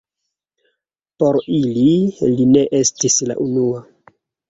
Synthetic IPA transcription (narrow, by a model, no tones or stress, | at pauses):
po̞ɾililine̞ʔe̞stisla̰ʔunua